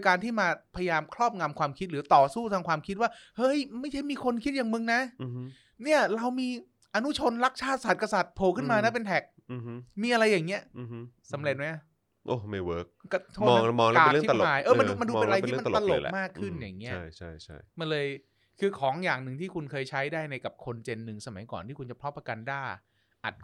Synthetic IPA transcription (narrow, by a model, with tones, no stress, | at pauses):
kaː˧nt̪ʰiː˥˩maː˧pʰa˧ja˧jaː˧mkʰɾɔː˥˩p̚ŋa˧mkʰwaː˧mkʰi˦˥t̪̚ɾɯː˩˦t̪ɔː˨˩suː˥˩t̪ʰaː˧ŋkʰwaː˧mkʰi˦˥t̪̚waː˥˩hɤ˦˥˩jma˥˩jt͡ɕʰa˥˩jmiː˧kʰo˧nkʰi˦˥t̪̚jaː˨˩ŋmɯ˧ŋna˦˥˧ | ni˥˩ɐɾa˧wmiː˧ | ʔa˧nu˦˥t͡ɕʰo˧nɾa˦˥k̚t͡ɕʰaː˥˩t̪̚sa˨˩t̪̚ka˧sa˨˩t̪̚pʰoː˨˩kʰɯ˥˩nmaː˧na˦˥p̬e˧nt̪ʰɛ˨˩k̚ːmiː˧ʔa˧ɾa˧jːaː˨˩ŋːi˦˥ɐ˧ | sa˩˦mɾe˨˩t̪̚ma˦˥jʔa˧˩ | ʔo˧˩ma˥˩jwɤː˦˥k̚ka˧˩t̪ʰoː˥˩ɔː˧mɔː˧ŋlaː˨˩˥aː˨˩˦jʔɤː˧a˧duː˧ma˧ndu˧pːe˧na˧a˧t̪ʰi˥˧˥ma˧t̪a˧lo̰˨˩˧maː˥˩kʰːɯ˥˩nja̰ː˨˩ŋni˦t͡ɕɐ˥˩jt͡ɕʰa˥˩jt͡ɕʰa̰˥˩jma˧nlɤː˧j | kʰɯː˧kʰɔː˩˦ŋjaː˨˩ŋnɯ˨˩ŋt̪ʰiː˥˩kʰu˧nkʰɤː˧jt͡ɕʰa˦˥jdaː˥˩jna˧jka˨˩p̚kʰo˧nt͡ɕe˧nːɯ˨˩ŋsa˧ma̰˨˩˦jkɔː˨˩nt̪ʰiː˥˩ku˧nt͡ɕa˨˩pʰɾɔ˦˥pːa˧ka˧ndaː˥˩j | ʔa̰˨˩t̪̚